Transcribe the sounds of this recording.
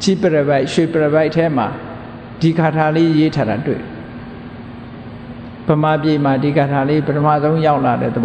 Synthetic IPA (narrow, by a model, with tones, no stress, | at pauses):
t͡ɕi˦˨pə˨ɾə˨ba˦ɪʔʃwe˨pə˨ɾə˨ba˦ɪʔtʰːɛ˦ma˨ | d̥i˨ɡa˨tʰa˨le˦ʔje˦tʰa˦˨ɾa˨twḛ˦˨dɛ˨ | b̥ə˨ma˨pje˨ma˨di˨ɡa˨tʰa˨le˦pə˦tʰə˦ma̰˦˨zõ˦ʊ̃ja˦ʊʔla˨ɾɛ̰˦˨d̪əb